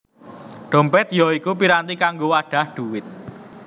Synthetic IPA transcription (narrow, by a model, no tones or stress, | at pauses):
ɖ̥ɔ̤mpɛt̪̚jɔikup̬iɾant̪ikaŋɡowaɖ̥ä̤hɖ̥uwɪt̪̚